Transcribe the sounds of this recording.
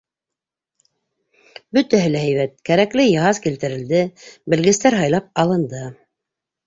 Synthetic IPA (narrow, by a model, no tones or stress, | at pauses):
bɵt̪æɦɘlæɦæjβæt̪̚kæɾæklɘjɑɦɑzkilt̪ɘ̆ɾɘ̆ld̪ɘbɘ̆lɡɘ̆st̪æɾɦɑjlˠɑp̚ɑlˠɤ̆nd̪ɤ